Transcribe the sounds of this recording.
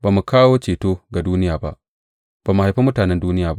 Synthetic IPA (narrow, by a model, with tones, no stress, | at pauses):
baː˨mu˨kaː˦woː˦t͡ʃeː˨toː˦ɡa˨duː˦nɪ˦jaː˨ba̰˦ʔ | b̥aː˨mu˨ha˨jɸe˦mʊ˦taː˨nɛ˦nduː˦nɪ˦jaː˨b